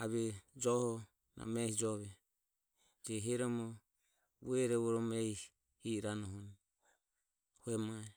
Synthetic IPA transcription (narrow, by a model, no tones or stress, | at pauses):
aβɛd͡ʒɔhɔ | na̰mɛhid͡ʒɔβɛ | d͡ʒɛɦɛɾɔmɔ | ɛɾɛɔɾɔmɾɛ | hiɾanɔɦɔn | huɛmaɛ